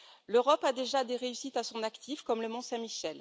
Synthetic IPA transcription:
løʁɔpad̪eʒad̪eʁeysit̪asɔ̃nakt̪ʰifkɔmləmɔ̃sɛ̃miʃɛl

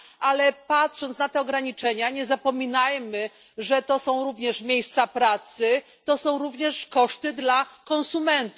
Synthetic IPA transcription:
ʔalɛpatʂɔ̃nt̪snat̪ɛɔɡɾaɲit͡ʂɛɲaɲɛzapɔmʲinajmɘ | ʐɛt̪ɔsɔ̃w̃ɾuvɲɛʂmʲjejst̪sapɾat̪sɘ | t̪ɔsɔ̃w̃ɾuvɲɛʂkɔʂt̪ɘd̪lakɔ̃ñsumɛnt̪u

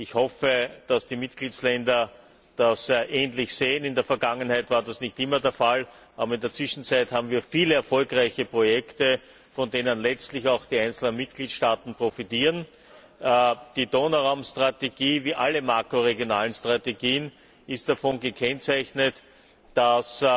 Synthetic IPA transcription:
ɪçhɔfəd̥asd̥iːmɪtɡ̥liːt͡slɛndɐ | d̥asʔɛːnlɪçseːənɪndeːɐfɛɐɡaŋənhæɪtv̥aːɐdasnɪçtɪmɐdeːɐfal | ʔaːbɐɪndeːɐt͡sv̥ɪʃn̩t͡sæɪthaːbm̩viːɐfiːləɛɐfɔlkʁaɪçəpʁojɛktə | fɔndeːnənlɛt͡stlɪçaʊxd̥iːæɪnt͡sl̩nənmɪtɡ̥liːtʃtaːtn̩pʁ̥ofitiːʁən | d̥iːdoːnaʁaʊmstʁ̥ateɡ̥iːviːʔaləmaːkʁoʁeɡjonaːlənstʁ̥ateɡiːən | ɪst̚d̥afɔnɡəkʰɛnt͡sæɪçnət | d̥as

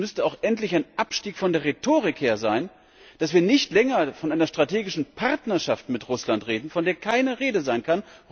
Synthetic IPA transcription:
mʏstəaʊxʔɛntlɪçaɪnʔapʃtiːkfɔndeːɐʁetʰoːʁɪkheːɐzaɪn | d̥asv̥iːɐnɪçtlɛŋɐfɔnʔaɪnɐʃtʁ̥atʰeːɡɪʃn̩pʰaʁtnɐʃaftmɪtʁʊslantʁeːdn̩fɔndeːɐkʰaɪnəʁeːdəzaɪnkʰan

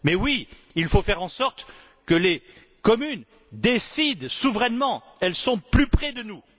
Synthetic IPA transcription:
mɛwi | ilfofɛʁɑ̃sɔʁt̪ | kəle | kɔmyn | d̪esid̪suvʁɛnmɑ̃ | ɛlsɔ̃plypχɛd̪ənu

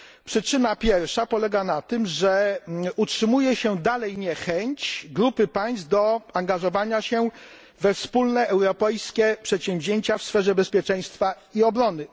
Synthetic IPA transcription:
pʂɘt͡ʂɘnapʲjɛɾfʂapɔlɛɡanat̪ɘmʐɛutʂɘmujɛɕɛd̪alɛjɲɛxɛɲt͡ɕɡɾupɘpaj̃st̪̚d̪ɔaŋɡaʐɔvaɲaɕɛ | vɛfspulnɛʔɛwɾɔpɛjskʲɛpʂɛt̪ɕɛ̃mvʑeɲt͡ɕafsfɛʐɛbɛspʲjɛt͡ʂɛ̃j̃st̪fa | iɔbɾɔnɘ

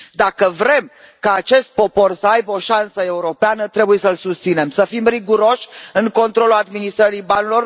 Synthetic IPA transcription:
d̪akəvɾe̞m | kaːt͡ʃe̞st̪̚po̞po̞rsəajbeo̞ʃansəe̞uɾo̞peanət̪ɾe̞buje̞səlsust̪sine̞msəfimriɡuɾo̞ʃʲɨŋko̞nt̪ɾo̞lulad̪minist̪ɾəɾijbanlo̞r

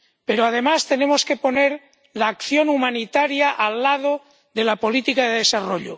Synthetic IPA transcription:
pe̞ɾoað̞e̞mast̪e̞ne̞moske̞po̞neɾ | laːkθjo̞numanit̪aɾjaʔalːaðo | ðe̞lapo̞lit̪ikaðeðe̞saroʎo̰

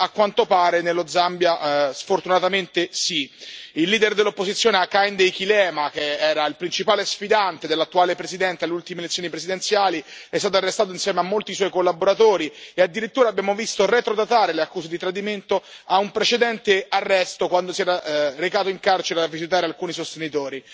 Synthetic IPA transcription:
akːwant̪opaːɾenelːod̪zambjasfort̪unat̪ament̪esiilːiːd̪erd̪elːopːozit̪sːjoːneakːajnd̪ejkilɛːmakeɛːɾailpɾint͡ʃipaːlesfid̪ant̪ed̪elːat̪ːuaːlepɾezid̪ɛnt̪ealeult̪imelet̪sːjoːnipɾesid̪ent̪sjaːliɛst̪at̪oarːest̪aːt̪oinsjɛːmeamːolt̪iswɔjkolːaboɾat̪oːɾiead̪ːiɾit̪ːuːɾaːbːjaːmovist̪oret̪ɾod̪at̪aːɾeleakːuːsed̪it̪ɾad̪iment̪oaumpɾet͡ʃed̪ɛnt̪earːɛst̪okwand̪osiɛːɾarekaːt̪oiŋkart͡ʃeɾeavːizit̪̬aːɾealkuːnisost̪enit̪oːɾi

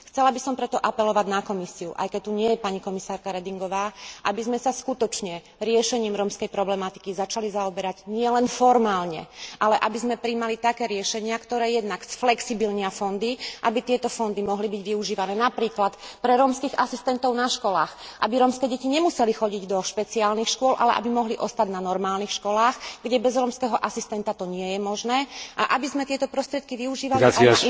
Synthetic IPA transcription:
xt͡sɛlabisɔmpɾɛt̪ɔʔapɛlɔʋaɟnakɔmisiuʔa̰jkɛc̚t̪ːuɲɪɛjɛpaɲikɔmisaːɾkaɾɛd̪iŋɡɔʋaːʔabizmɛsaskut̪ɔt͡ʃɲɛ | ɾɪɛʃɛɲiːmɾɔmskɛjpɾɔblɛmat̪i̥kizat͡ʃalizaɔbɛɾaɟɲɪɛlɛnfɔɾmaːlɲɛ̰ʔalɛʔabizmɛpɾimalit̪akɛːɾɪɛʃɛɲɪakt̪ɔɾɛːjɛd̪naksflɛksibilɲɪafɔnd̪iʔabit̪ɪɛt̪ɔfɔnd̪imɔɦlibiɟʋiuʒiːʋanɛːnapɾiːklat̪pɾɛɾɔːmskiːɣasist̪ɛnt̪ɔʊnaʃkɔla̰ːxʔa̰biɾɔːmskɛːɟɛciɲɛmusɛlixɔɟiɟd̪ɔʃpɛt͡siaːlnixʃkʊɔlʔa̰lɛ̰ʔa̰bimɔɦliʔɔst̪aɟnanɔɾmaːlnixʃkɔlaːxɡɟɛbɛzɾɔːmskɛːɦɔʔasist̪ɛnt̪at̪ɔɲɪɛjɛmɔʒnɛːʔaʔabizmɛt̪ɪɛt̪ɔpɾɔst̪ɾɪɛt̪̚kiʋiuʒiːʋalaia

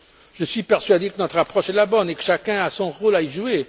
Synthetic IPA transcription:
ʒ̥əsɥipɛʁsɥad̪ekənɔt̪χapχɔʃɛlabɔnekə̥ʃakʲɛ̃asɔ̃ʁolaiʒue

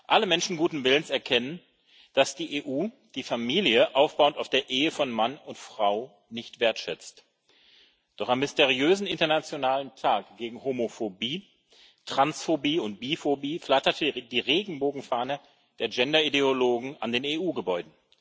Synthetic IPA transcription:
ʔaləmɛnʃn̩ɡuːtn̩vɪlənsɛɐkʰɛnən | d̥asd̥iːʔeːʔuː | d̥iːfamiːljəʔaʊfb̥aʊəntaʊfd̥eːɐʔeːəfɔnmanʊntfʁ̥aʊ | nɪçtv̥eːɐtʃɛt͡st | d̥ɔχamːɪsteʁ̞iøːzn̩ɪntɐnat͡sjonaːləntʰaːkɡ̥eːɡŋ̩homofobiː | tʁ̥ansfobiːʊnt̚b̥iːfobiːflatɐtəd̥iːʁeːɡŋ̩boːɡŋ̩faːnə | d̥eːɐd͡ʒɛndɐideoloːɡŋ̩a̰ndeːneːʔuːɡəbɔʏdn̩

